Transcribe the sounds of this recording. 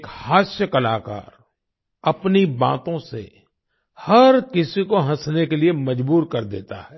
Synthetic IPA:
ekhaːsjəkɐlaːka̰ːɾ | ɐpnibã̰ːt̪õsḛ | hɐɾkɪsikoɦɐ̃snekeliemɐd͡ʒbuːɾkɐɾd̪ḛːt̪a̰ɦɛː

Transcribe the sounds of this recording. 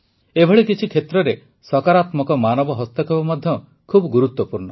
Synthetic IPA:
ebʱɔɭikit͡ʃʰikʰet̪ɾɔɾe | sɔkaɾat̪mɔkɔmanɔbɔɦɔst̪ɔkʰebɔmad̪ʱjɔ | kʰubɔɡuɾut̪wɔpuɾɳɔ

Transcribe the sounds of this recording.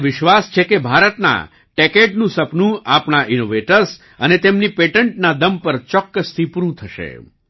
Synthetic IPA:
ʋɪʃʋast͡ʃʰekebʱaɾət̪na̰ | ʈekeʈnũsəpnũapɳaʔinoʋeʈəɾs | ənet̪emnipeʈəɳʈnad̪əmpəɾt͡ʃɔkːəst̪ʰipuɾũt̪ʰəʃḛ

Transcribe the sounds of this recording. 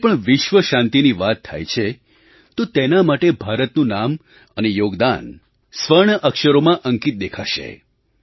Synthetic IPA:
pəɳʋɪʃʋəʃãnt̪iniʋat̪ʰːa̰jt͡ʃʰe | t̪ot̪enamaʈebʱaɾət̪nũnam | ənejoɡd̪an | sʋəɾɳəʔəkʃəɾomãʔəŋkit̪̚d̪ekʰa̰ʃḛ

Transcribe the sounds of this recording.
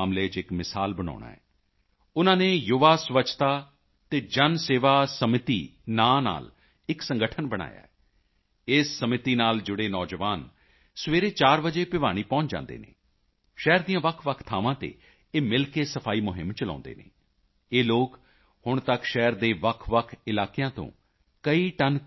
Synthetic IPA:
aːmleːt͡ʃɪkmɪsaːlbəɽ̃ɔ̰ːɽ̃a̰ːɛː | ʊnãːneːjʊʋaːsʋət͡ʃt̪aː | t̪eːd͡ʒənseːʋaːsəmɪt̪ḭː | naːna̰ːl | ɪksə̃ŋɡəʈʰənbəɽ̃a̰ːja̰ːɛ | ɪːsːəmɪt̪iːnaːld͡ʒʊɽeːnɔːd͡ʒəʋaːn | sʋeːɾeːt͡ʃaːɾbəd͡ʒeːpɪʋa̰ːɽ̃iːpɔ̃ːt͡ʃd͡ʒã̰ːnd̪ḛːnḛː | ʃɛːɾd̪ijãːʋəkʰʋəkʰt̪ʰaːʋãːt̪ḛː | eːmɪlkeːsəpʰaːiːmʊɦɪ̰mt͡ʃəlã̰ːnd̪ḛːnḛː | eːloːk | hʊɳt̪əkʃɛːəɾd̪eːʋəkʰʋəkʰɪlaːkejãːt̪õ̰ː | kəiːʈən

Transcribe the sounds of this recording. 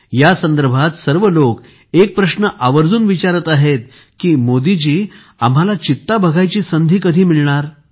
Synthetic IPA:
jasənd̪əɾbʱat̪səɾʋəlok | ek̚pɾəɕnəʔaʋəɾd͡zuːnʋit͡ɕaɾət̪aɦet̪̚ | kiːmod̪id͡ʑiː | am̤ɦalat͡ɕit̪ːabʱəɡʱajt͡ɕiːsənd̪ʱiːkəd̪ʱiːmiɭɳaɾ

